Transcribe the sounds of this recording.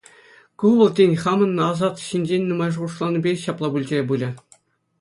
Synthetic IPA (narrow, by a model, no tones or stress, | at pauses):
kuʋɤ̆lˠtʲenʲχɑmɤ̆nːɤ̆ɑzɑt̪ɕinʲd͡ʑenʲnumɑjʐɤʁuʂlˠɑnʲɘ̆bʲeɕɑplˠɑbulʲd͡ʑ̆ʲrʲebulʲɘ̆